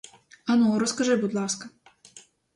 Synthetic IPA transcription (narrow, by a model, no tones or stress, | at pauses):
ɐnɔɾɔskɐʒɪbʊd̪lˠɑskɐ